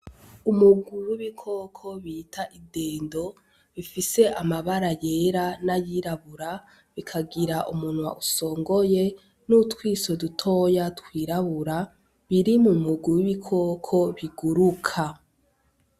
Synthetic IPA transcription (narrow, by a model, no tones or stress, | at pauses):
umuɡuɾuwiβikʰo̞ːkʰo̞βiːtʰaʔideːndo̞ | βifise̞ʔamaβaɾaje̞ɾanajiɾaβuɾa | βikʰaɡiɾaʔumunwa̰ʔuso̞ːŋɡo̞je̞ | nutwiːso̞dutʰojatkwiːɾaβuɾa | βiɾimumuɡuwiβikʰoːkʰo̞βiɡuɾukʰa